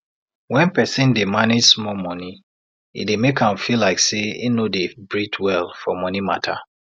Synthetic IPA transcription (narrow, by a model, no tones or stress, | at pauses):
wɛ̃npɛsĩndemaned͡ʒsmɔlmɔni | ḭdemekʰãmfilaɪkseḭnodebɹitʰwɛlˠfɔmɔnima̰tʰa̰